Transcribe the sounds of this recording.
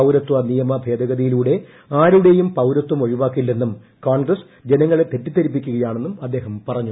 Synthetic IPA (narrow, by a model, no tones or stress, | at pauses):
ɐwɾɐt̪ːʋɐnijɐmɐbʱe̞ːd̪ʱɐɣɐðɐjiluːɽe̞ | aːɾuɽe̞jumpɐwɾɐt̪ːwɐmo̞ɻiʋaːkːilːe̞nːum | kaːɳɡrɐs | d͡ʑe̞nɐŋːɐɭe̞t̪ːe̞tːit̪ːɐɾip̬ːikʲːuɣɐjaːɳe̞nːumɐd̪ːe̞ːɦɐmpɐrɐɲːu